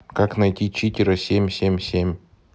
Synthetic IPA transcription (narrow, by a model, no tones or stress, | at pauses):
kaknɐjtʲit͡ɕitʲɪɾəsʲemʲsʲemʲsʲemʲ